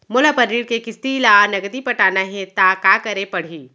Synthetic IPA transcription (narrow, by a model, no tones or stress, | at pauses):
mʊlapɐɾiːɽkekɪst̪ilaːnɐɡd̪ipɐʈaːnaɦɛt̪aːkaːkɐɾepɐɽ̤iː